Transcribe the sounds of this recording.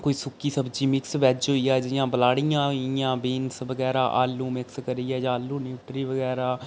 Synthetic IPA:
koːiːsʊkːiːsəbd͡ʒiːmɪksʋɛːd͡ʒɦoːiːaːd͡ʒjãːbəlaːɽijãːijãːbeːnsʋəɡɛːɾaːʔaːlːũːmɪkskəɾiːɛːd͡ʒãːlːũːnuːʈɾiːʋəɡɛːɾaː

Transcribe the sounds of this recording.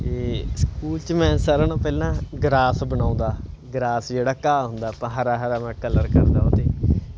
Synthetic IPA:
t̪eːskuːlt͡ʃmɛ̃ːsəɾənãːpɛːlãːɡɾaːsbənãːnd̪aːɡɾaːsd͡ʒeːɽaːkaːɦʊnd̪aːpãːɦəɾaːɦəɾaːmɛ̃ːkələɾkəɾd̪a̰ːoːt̪eː

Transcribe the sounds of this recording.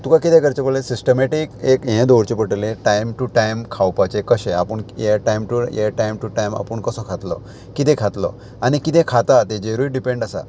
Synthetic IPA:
t̪ukakit̪ẽkəɾt͡ɕepəlesisʈəmeʈikekɦẽd̪oɾt͡ɕepəʈleʈajmʈuʈajmkʰawpat͡ɕekəɕea̰pəɳjeʈajmʈujeʈajmʈuʈajma̰pəɳkəsɔkʰat̪lɔ̰ | kit̪ẽkʰat̪lɔ̰ | anikit̪ẽkʰat̪at̪ed͡ʑeɾuiɖipẽɳɖasa̰

